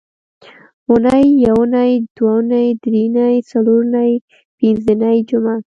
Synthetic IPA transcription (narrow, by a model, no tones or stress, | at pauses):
unajːawnajd̪̥wanajd̪ɾinajt͡saloɾnaj | pinzənajd͡ʒʊma